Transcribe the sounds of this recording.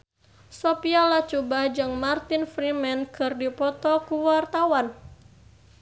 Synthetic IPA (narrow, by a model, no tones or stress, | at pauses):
sopialat͡ʃubad͡ʒɨŋmart̪ɪnfɾimɛnkɨrdipɔt̪ɔkuwart̪awan